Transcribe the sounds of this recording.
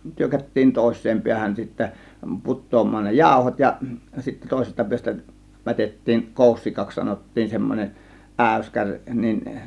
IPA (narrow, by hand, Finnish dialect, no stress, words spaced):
tyrkætːiːn toˑe̝sˑeːm piæhæn sitːæ putˑoːmˑɑːn ne jɑˑo̝hot jɑ sitːæ toˑe̝sestɑ piæs̆tæ mætetːiːn koˑusːikɑks sɑnotːiːn semːonʲeʔ ʔæˑyskærʲ nin